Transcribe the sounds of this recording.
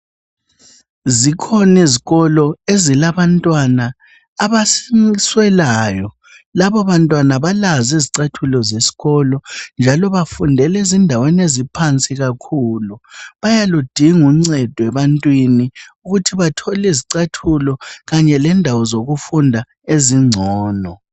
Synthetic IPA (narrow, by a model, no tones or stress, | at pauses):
zikʰɔniziɣɔlɔezilaβantʼwanaː | βasswɛlaːjɔ | laβɔβantʼwanaβalaziziǀatʰulɔzesi̥ɣɔlɔnd͡ʒʱalɔβafundʱɛlezindʱawɛnezipʰant͡sʼiɣakʰuːluβajalud̥ʱiŋuŋ͡ǀɛd̥ʱɔɛβantʼwiniuɣutʰiβatʰɔliziǀatʰulɔɣaɲɛlɛndʱawɔzoɣufundʱa | eziŋ͡ǀʱɔːnɔ